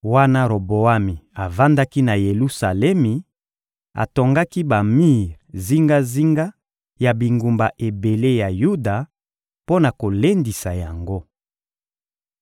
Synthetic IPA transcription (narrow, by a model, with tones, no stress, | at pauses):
wa˦na˦ɾo˨bo˨a˦mi˨a˨va˦nda˦ki˦na˨je˨lu˦sa˨lɛ˦mi˨ | a̰˨to˨ŋɡa˦ki˦ba˨mi˦ʁzi˦ŋɡa˦zi˦ŋɡa˦ | ja˨bi˨ŋɡu˨mba˨ʔe˨be˨le˦ja˨ju˦da˨ | po˦na˨ko˨le˦ndi˨sa˨ja˨ŋɡo˦